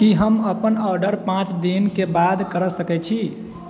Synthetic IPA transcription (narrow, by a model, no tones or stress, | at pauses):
kiɦəməpənɔɾɖəɾpãt͡ʃd̪inkebad̪kəɾəsəkɛt͡ʃʰi